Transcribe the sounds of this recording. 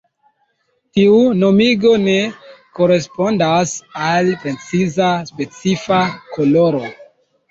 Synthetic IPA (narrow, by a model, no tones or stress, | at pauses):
tiuno̞miɡo̞ne̞ko̞ɾe̞spo̞ndasalpɾe̞t͡sizaspe̞t͡sifakʰo̞lo̞ɾo̞